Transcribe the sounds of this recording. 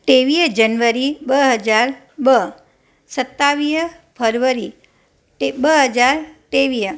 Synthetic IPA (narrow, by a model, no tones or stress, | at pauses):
ʈeʋid͡ʒənʋəɾibəɦəd͡ʒaɾ | bə | sət̪ːaʋij | pʰəɾʋəɾi | ʈebəɦəd͡ʒaɾt̪eʋi